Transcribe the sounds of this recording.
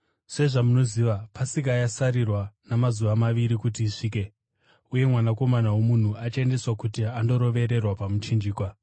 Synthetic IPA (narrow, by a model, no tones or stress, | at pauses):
se̞ʐamuno̞ziːʋapasikajasaɾirwanamazuʋamaʋiɾikut̬iːʂiːke̞ | uje̞mwanako̞manawo̞mun̤uat͡ʃende̞swakutiando̞ɾo̞ʋe̞ɾe̞rwapamut͡ʃind͡ʒiːkwa